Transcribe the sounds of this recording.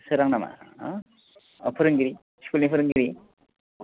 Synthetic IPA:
sɯɾaŋnama̰ | ɔpʰɯɾɯŋɡiɾi | skulnipʰɯɾɯŋɡiɾi

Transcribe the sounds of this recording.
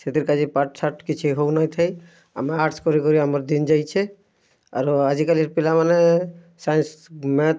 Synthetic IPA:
set̪iɾkad͡ʒipaʈsʰaʈkit͡ʃʰiɦownajt̪ʰəj | ə̰meaʈskɔɾikɔɾiəməɾd̪ind͡ʒajt͡ʃʰɛ | a̰ɾad͡ʒikaliɾpilamane | sajnsme

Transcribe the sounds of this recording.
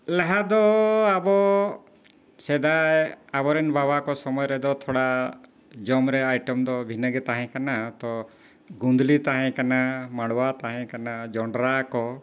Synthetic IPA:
laɦad̪ɔabɔ | sɛd̪ajabɔɾɛnbʱabakɔsɔmɔjɔɾɛd̪ɔt̪ʰɔɽa | d͡ʒɔmɾɛajʈɔmd̪ɔbʱinəɡɛt̪aɦɛ̃kanat̪ɔ | ɡund̪lit̪aɦɛ̃kanamaɽwat̪aɦɛ̃kanad͡ʒɔɳɖɾakɔ

